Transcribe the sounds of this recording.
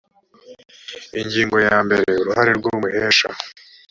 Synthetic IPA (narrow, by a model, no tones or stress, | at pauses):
iɲɟiːŋɡo̞jaːmbe̞ɾe̞uɾuhaɾeɾɡuːmuʔeːʃa̰